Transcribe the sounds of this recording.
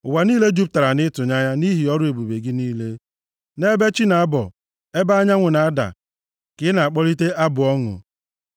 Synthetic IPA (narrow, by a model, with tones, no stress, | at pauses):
ʊ˨wa˨niː˦le˦d͡ʒu˦p̚ta˨ɾa˨nɪ˦tʊ˨ɲa˦ɲa˦ni˦ɦi˨ɔ˦ɾʊ˦e˨bu˨be˨ɡɪ˦niː˦le˦ | ne˦be˦t͡ʃi˦na˨a˦bɔ̰˨ | e˦ba˦a˦ɲa˦ŋʷʊ˨na˨a˦da̰˨ | kɪ˨˦na˨a˨k͡pɔ˦ɾi˦te˦ʔa˦bʊ˨ɔ˦ŋʊ̰˨